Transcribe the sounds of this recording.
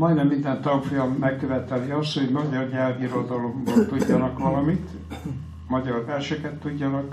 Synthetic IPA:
mɒjnɛmːind̪ɛnt̪ɒmfojɒmːɛkːøvɛt̪ɛliɒst̪ho̞ɟmɒɟɒrɲɛlɡiɾo̞d̪ɒlo̞mbolt̪uɟːɒnɒkʋɒlɒmit̪ | mɒɟɒrvɛrʃɛkɛt̪ːuɟːɒnɒk

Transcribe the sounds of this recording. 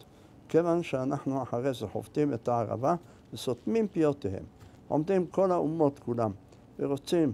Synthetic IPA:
kevanʃeanaħnuaħaʁezeħo̰vt̪imet̪aaʁa̰va | vesot̪mimpijot̪ehḛm | ʔo̰md̪imko̞laumo̞t̪kulam | veʁo̞t͡sim

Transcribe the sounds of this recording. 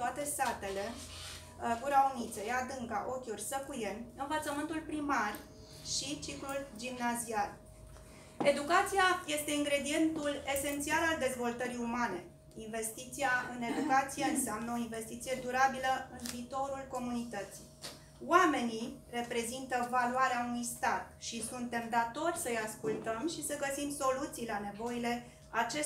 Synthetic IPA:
t̪oat̪e̞st̪at̪e̞le̞ | ɡuɾaunit̪sejad̪ɨŋɡaʔo̞kʲurʲsəkujeɨnvət̪səmɨnt̪ulpɾimar | ʃit͡ʃikluld͡ʒimnazial | e̞d̪ukat̪sijaje̞st̪e̞iŋɡɾe̞d̪ie̞nt̪ule̞se̞nt̪sialald̪e̞zvo̞lt̪əɾiumane̞ | inve̞st̪it̪siaɨne̞d̪ukat̪sijeɨnseamnəo̞inve̞st̪it̪sije̞d̪uɾabiləɨnviːt̪o̞ɾulko̞munit̪ət̪si̥ | wame̞nire̞pɾe̞zint̪əvaluaɾeaunujst̪at̪̚ʃisunt̪e̞md̪at̪o̞rʲsəjaskult̪əmʃisəɡəsimso̞lut̪sijlane̞vo̞ile̞ | at͡ʃe̞

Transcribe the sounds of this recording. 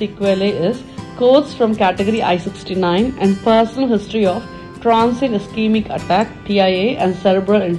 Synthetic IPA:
ikʋeleɪz | koːɖsfɾɔ̃mkæʈeɡəɾiʔa̰ɪsɪksʈinãɪ̃nɛ̃ɳɖpəɾsənəlɦɪsʈɾiɔːf | ʈɾãːnsɪ̃ŋskĩːmɪkə̰ʈækpiaɪeːʔɛ̃ɳɖsɛɾəbɾəlɪ̃ɳ

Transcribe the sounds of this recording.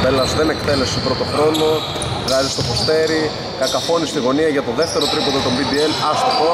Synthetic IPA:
t̪e̞lɐsðenekt̪e̞le̞sopɾo̞t̪o̞xɾo̞no̞ | ɣɐzist̪o̞fost̪e̞ɾi | kɐkɐfo̞nist̪iɣo̞niɐʝɐt̪o̞ðe̞ft̪e̞ɾo̞t̪ɾipod̪ot̪o̞mbid̪ienɐst̪ot̪o

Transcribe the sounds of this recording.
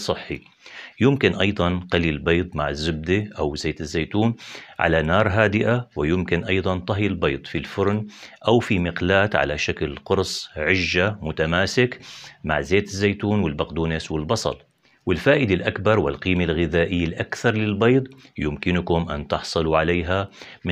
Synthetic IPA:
sˤɨħːḭ | jʊmkɪnʔɑjd̪ˤɑnqɑlilbɑjːd̪ˤma̰ʕɪzːɪb̚d̪iʔawzeːt̪ɪzːajt̪uːnʕa̰lanɑːɾˤɦaːd̪ɪʔawɪjʊmkɪnʔɑjd̪ˤɑnt̪ˤɑɦjalbɑjd̪ˤfilfʊɾnʔawfimɪqlaːt̪ʕa̰laʃaklqʊɾsˤʕɪʒːamʊt̪amaːsɪkma̰ʕzeːt̪ɪzːajt̪uːnwɪlbaqd̪uːneswɪlbɑsˤɑ̰l | wɪlfaːʔɪd̪alʔakbɑɾˤwɪ̰lqiːmalɣɪðaːʔɪjːalʔakθɑɾˤlɪlbɑjd̪ˤjʊmkɪnʊkʊmʔa̰nt̪ɪħsˤɨluʕaleːɦam

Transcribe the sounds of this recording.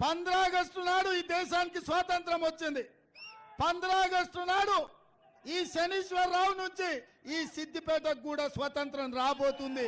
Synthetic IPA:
pɐnd̪ɐɾaːɐɡɐsʈunaːɽuiːd̪ɛːʃaːnikisʋaːt̪ɐnt̪ɾɐmʋot͡ʃːind̪i | pɐnd̪ɐɾaːɐɡɐsʈunaːɽu | iːʃeniːʃʋɐɾːaːwunuɲt͡ʃi | iːsid̪ʱːipɛːʈ̪ɐɡuːɽɐsʋat̪ɐnt̪ɾɐmɾaːbo̞ːt̪und̪i

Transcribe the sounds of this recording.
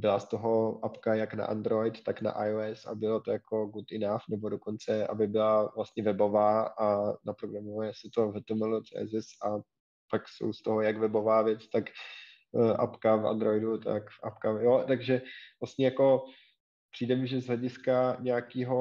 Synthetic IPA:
bɪlast̪oɦo̞ʔapkajakna̰ʔa̰nd̪ɾo̞jt̪t̪akna̰ʔajoɛsa̰bɪlot̪ojako̞ɡut̪ɪnafnɛbo̞do̞ko̞nt͡sɛʔa̰bɪbɪlavlast̪ɲɛvɛbo̞vaːʔanapɾoɡɾamovjɛsɪt̪ovɛt̪ɛmɛlot͡sɛ̰zɪsʔa | pakso̰wst̪oɦojakvɛbo̞vaːvjɛt͡st̪ak | ʔa̰pkavʔa̰nd̪ɾo̞jdut̪a̰kʔa̰pkajot̪aɡʒɛvlast̪ɲɛjako̞ | pr̥iːdɛmɪʒɛzɦlɛɟɪskaɲɛjakiːɦo̞

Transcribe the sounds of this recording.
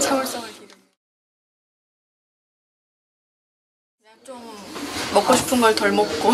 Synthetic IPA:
t͡ɕʰas͈ | mʌk͈ʰʌɕʰi̥pʰuŋɡʌɭt̪ʌɭmok̚k͈o

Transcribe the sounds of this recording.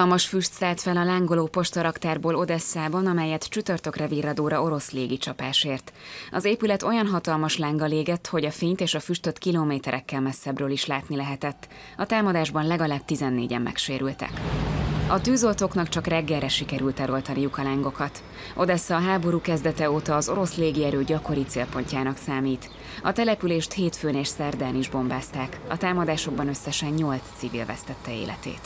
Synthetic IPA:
lmɒʃfyʃt̪saːlt̪fɛlɒlaːŋɡo̞loːpo̞ʃt̪ɒɾɒkt̪aːrboːlo̞d̪ɛsːaːbɒnɒmɛjɛt̪t͡ʃyt̪ørt̪ø̞krɛviːrɒd̪oːɾɒo̞ɾo̞sleːɡit͡ʃɒpaːʃeːrt̪ɒzeːpylɛt̪o̞jɒnɦɒt̪ɒlmɒʃlaːŋɡɒleːɡɛt̪ho̞ɟɒfeːɲt̪eːʃɒfyʃt̪ø̞t̪kiloːmeːt̪ɛɾʔɛkːɛlmɛsːɛbrøːliʃlaːt̪nilɛɦɛt̪ɛt̪ː | ɒt̪aːmɒd̪aːʒbɒnlɛɡɒlaːb̚t̪izɛnːḛːɟɛ̰mːʔɛ̰kʃeːɾylt̪ɛ̰k | ɒt̪yːzo̞lt̪o̞knɒkt͡ʃɒkrɛɡːɛlːɛʃikɛɾylt̪ɛɾo̞lt̪ɒnijukɒlaːŋɡo̞kɒt̪ | ʔo̞d̪ɛsːɛɒɦaːbo̞ɾuːkɛzd̪ɛt̪ɛoːt̪ɒːzo̞ɾo̞sleːɡiɛɾøːɟɒko̞ɾit̪seːlpo̞ɲcaːnɒksaːmiːt̪ | ɒt̪ɛlɛpyleːʃt̪heːt̪føːneːʃsɛrd̪aːniʒbo̞mbaːst̪aːkɒ̰t̪aːmɒd̪aːʃo̞ɡ̚bɒnø̞sːɛʃɛɲɲo̞lssivḭlvɛ̰st̪ɛt̪ːɛḛːlɛ̰t̪ḛːt̪

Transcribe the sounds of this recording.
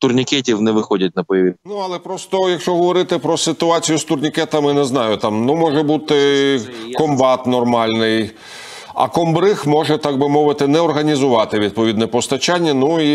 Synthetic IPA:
t̪ʊrnʲɪkɛtʲiwnɛʋɪxɔdʲɐt̚ʲnɐpɔjɐinuɐlˠɛpɾɔst̪ɔjɐkʃt͡ʃɔɦɔʋɔɾɪt̪ɪpɾɔsɪt̪ʊɑt͡sʲijʊst̪ʊrnʲikɛt̪ɐmɪnɛznɑjʊt̪ɑmnumɔʒɛbut̪ɪ | kɔmbɑt̪nɔrmɑlʲnɪj | ɐ̰kɔmbɾɪxmɔʒɛt̪ɑɡ̚bɪmɔʋɪt̪ɪnɛɔrɦɐnʲizʊʋɑt̪ɪʋʲid̪̚pɔʋʲid̪nɛpɔst̪ɐt͡ʃanʲːɐnui

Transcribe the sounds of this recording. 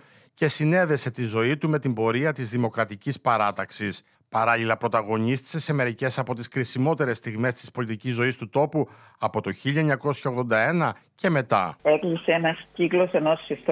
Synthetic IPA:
ce̞sine̞ðe̞se̞t̪izo̞it̪ume̞t̪imbo̞ɾiɐt̪izðimo̞kɾɐt̪icispɐɾɐt̪ɐksis | pɐɾɐlilɐpɾo̞t̪ɐɣo̞ɲist̪i̥se̞se̞me̞ɾice̞sɐpo̞t̪iskɾisimo̞t̪e̞ɾe̞st̪iɣme̞st̪i̥spo̞lit̪icizo̞ist̪ut̪o̞pu | ɐpo̞t̪o̞çiʎɐeɲɐko̞sçɐoɣðo̞nd̪ɐe̞nɐce̞me̞t̪ɐ̰ekliseenɐsciklo̞se̞no̞sift̪

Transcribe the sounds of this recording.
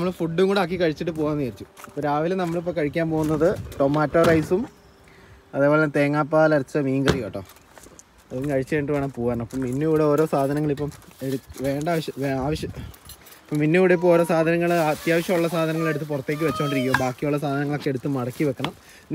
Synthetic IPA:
nɐmːɐɭfuɖːuŋoɳɖaːk̬ːikɐɻit͡ɕːiʈːɨp̬o̞ːɣaːnːiɐrt͡ɕːu̥ɐpːoɾaːʋilnɐmːɐɭip̬ːɐkɐɻikʲːaːnpo̞ːɣunːɐðɨʈomaːtːoːrɐjsum | ɐðepoːet̪e̞ːŋːaːpːaːlɐɾɐt͡ɕːɨmiːŋɡɐrijeːʈːo̰ː | ɐðukɐɻit͡ɕːɐʋeːɳʈːɨʋaːɳɨpoːɣaːɳɐmɐpːɐmːinːujuːɽeo̞ːɾo̞ːsaːd̪ʱɐnɐŋːɐɭipːɐmeɽuʋe̞ːɳɖaːʋɐɕɐʋeaːʋɐɕjɐ | ipːɐmːinːujuːɽeip̬ːɐmoːɾo̞ːsaːd̪ʱɐnɐŋːɐɭɐt̪jaːʋɐɕjɐmuɭːɐsaːd̪ʱɐnɐŋːɐɭe̞ɽut̪ːɨpurɐt̪ːe̞ːk̬ʲːɨʋet͡ɕːuoɳɖɨɾikːuʋɐmbaːkːijuɭːɐsaːd̪ʱɐnɐŋːɐɭokːeeɽut̪ːɨmɐɽɐkːiʋekːɐɳɐm

